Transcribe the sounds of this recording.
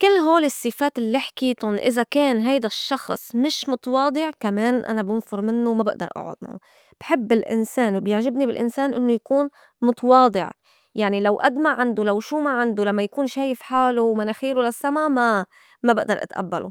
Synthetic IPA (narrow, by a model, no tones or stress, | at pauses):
kɪlːɦoːlisˤːɨfaːt̪ʔɪlːiħkiːt̪ʊnʔɪzakeːnɦajd̪aʃːɑxsˤmɪʃmʊt̪ˤɑwɑːd̪ˤɪʕkameːnʔa̰nabɪnfʊɾˤmɪnːʊwmabɪʔd̪ɑ̰ɾʔa̰ʕʊ̰d̪̚nṵ | b̥ħɪbːɪlʔɪ̰nseːnwbjɪʕʒɪbnibɪlʔɪ̰nseːnʔɪnːʊjakuːn | mʊt̪ɑwɑːd̪ˤɪ̰ʕ | jaʕnilawʔad̪maʕand̪ulawʃuːmaʕand̪ulamːajakuːnʃeːjɪfħaːluwmanaxiːɾulasːamama | mabɪʔd̪ɑɾˤʔa̰t̪ʔa̰bːa̰lʔṵ